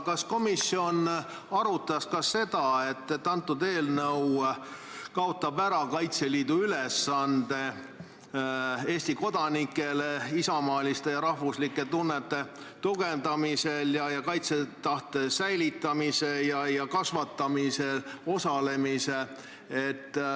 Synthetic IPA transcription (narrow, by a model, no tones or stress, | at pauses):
kɑsko̞misːio̞n | ɑɾut̪ːˑɑskɑsːe̞d̪̥ɑe̞t̪ːet̪ːɑnt̪ˑːud̪e̞ːlnɤw | kɑo̞t̪ːˑɑbæɾɑkɑjt̪se̞liːd̪̥uylesːɑnd̪̥e̞ | e̞ːsʲt̪iko̞d̪̥ɑnikːˑe̞leisɑmɑːlist̪e̞jɑɾɑhvuslikːˑe̞t̪unːet̪ːe̞ | t̪uɡ̥e̞nd̪̥ɑmise̞ljɑjɑkɑjt̪se̞t̪ɑht̪e̞sæjlit̪ːˑɑmise̞jɑjɑkɑsvɑt̪ˑːɑmise̞lo̞sɑle̞mise | et̪ːˑ